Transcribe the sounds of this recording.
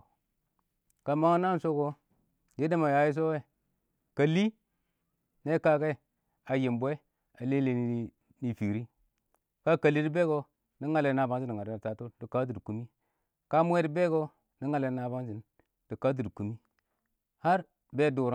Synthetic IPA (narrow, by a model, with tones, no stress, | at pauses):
ka˨ma˦ŋa˦na˦n˨so˦ko˦ | ji˦de˦ma˨ja˨˦ji˦s̬o˦we˦ | ka˨li˦ | ne˦ka˦ke˦˨ | a˨ji˨mbʷe˦ | a˨le˦le˨ni˦ | ni˨fi˨ɾi˦ | ka˦ka˨li˦di˦be˦ɡo˦ | ni˦ŋa˨le˨na˨ba˦ŋsi˦ni˨ŋa˨˦a˨ta˨to˦di˨ka˦d̬i˨dku˨mi˦ | ka˦mu˦e˦di˦be˦ɡo˦ | ni˦ŋa˨le˨˦na˨ba˦nsi˨n | d̥i˨ka˦d̬i˨dku˨mi˦ | ha˦ɾ | be˦du˨ɾ